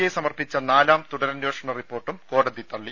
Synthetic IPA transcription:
jesɐmɐrpit͡ɕːɐnaːlaːmt̪uɽɐɾɐnjoːʂɐɳɐripːo̞ːrʈːumko̞ːɽɐðit̪ɐɭːi

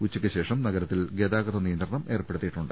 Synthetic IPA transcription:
ut͡ɕːikʲːɨɕe̞ːʂɐmnɐɣɐɾɐt̪ːilɡed̪aːɡɐðɐnijɐnd̪rɐɳɐmʔe̞ːrpːe̞ɽut̪ːijiʈːuɳɖɨ

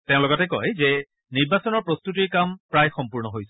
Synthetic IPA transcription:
tɛʊ̃lɔɡɔtɛkɔ̰jzɛ | niɹbasɔnɔɹpɹostutiɹkampɹajxɔmpuɹnɔɦojsɛ

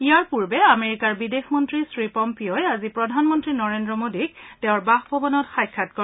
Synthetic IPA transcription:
ijaɹpuɹbɛameɹikaɹbidexmɔntɹisɹipɔmpiɔjazipɹɔdʱanmɔntɹinɔɹendɹɔmodikteʊ̃ɹbaxbʱɔbɔnɔtxajkʰːat̚kɔ

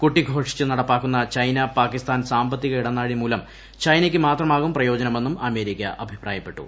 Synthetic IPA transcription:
kuʈːiɡʱo̞ːʂi̥t͡ɕːɨnɐɽɐpːaːkːunːɐt͡ɕɐjnɐpaːkːist̪aːnsaːmbɐt̪ːiɣɐiɽɐnːaːɻimuːlɐm | t͡ɕɐjnɐkʲːɨmaːt̪rɐmaːɣumprɐjo̞ːd͡ʑɐnɐme̞nːumɐme̞ːɾikʲːɐʔɐbʱiprʔa̰ːjɐpːe̞ʈːṵ

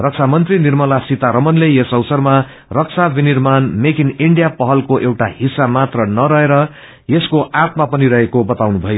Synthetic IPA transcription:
rʌk̚t͡sʰamʌnt̪rinirmʌlasit̪aɾʌmʌnlejesʌwsʌrma | rʌk̚t͡sʰabinirmanmekiniɳɖijapʌɦʌlkoʔewʈaɦisːamat̪rʌnʌɾʌɦeɾʌ | jeskoʔat̪mapʌniɾʌɦekobʌt̪awnubʱʌjo

